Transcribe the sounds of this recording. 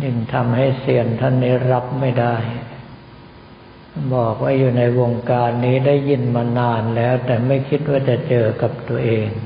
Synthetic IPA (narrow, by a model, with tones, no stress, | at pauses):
nɯ˧˩ŋt̪ʰa˧mha˥˩jsi˧˩ənt̪ʰa˥˩nːiː˦˥ɾa˦˥p̚ma˥˩jda˥˩j | nbɔː˨˩k̚waː˥˩juː˨˩na˧jwo˧ŋkaː˧nːiː˦˥daː˥˩jːi˥˩nmaː˧naː˧nlɛː˦˥wt̪ɛː˨˩ma˥˩jkʰi˦˥t̪̚waː˥˩t͡ɕa˨˩t͡ɕɤː˧ka˨˩p̚t̪u˧ɐəʔeː˧ŋ